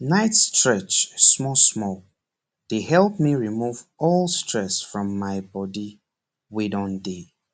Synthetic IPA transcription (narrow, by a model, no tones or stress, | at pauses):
naɪtstɹɛt͡ʃsmɔsmɔk̚ | d̥ehɛlˠp̚miɹimuvɔlˠstɹɛsfɹɔ̃mːaɪbɔdi | widɔ̃nde